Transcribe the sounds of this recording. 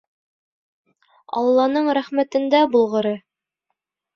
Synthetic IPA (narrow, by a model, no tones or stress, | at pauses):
ɑ̰lˠːɑnɤɴɾæχmæt̪ɘ̆nd̪æbulˠʁɤ̆ɾɤ